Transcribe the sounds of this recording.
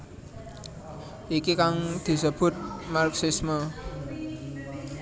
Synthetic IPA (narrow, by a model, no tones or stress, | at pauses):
ʔikikaŋd̪̥i̤səb̥ʊ̤t̪̚marksismə